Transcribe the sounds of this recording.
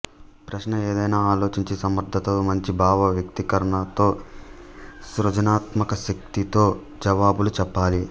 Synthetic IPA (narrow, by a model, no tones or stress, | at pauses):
pɾɐʃnɐeːd̪ɐjnaːaːlo̞ːt͡ʃiɲt͡ʃisɐmɐɾd̪ʱːɐt̪omɐɲt͡ʃibʱaːʋɐʋjɐk̚t̪ikɐɾɐɳɐt̪o̞ː | sɾɐd͡ʒɐnaːt̪mɐkɐʃɐk̚t̪it̪o̞ː | d͡ʒɐʋaːbulut͡ʃɛpːaːli